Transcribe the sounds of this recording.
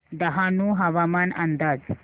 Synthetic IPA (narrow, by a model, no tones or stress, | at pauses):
d̪ɐɦaːnuɦɐʋamaːnɐnd̪aːd͡z